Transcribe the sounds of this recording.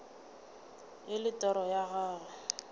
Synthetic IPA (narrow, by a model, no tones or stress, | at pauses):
ɪlɪtʼɔɾɔjaɣaːla